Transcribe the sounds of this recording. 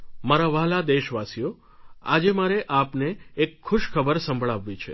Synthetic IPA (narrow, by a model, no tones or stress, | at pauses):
maɾaʋaɦlad̪eʃʋasijo | a̰d͡ʒemaɾeʔapneːkʰːʊʃkʰəbəɾsə̃mbʱɭaʋːit͡ʃʰe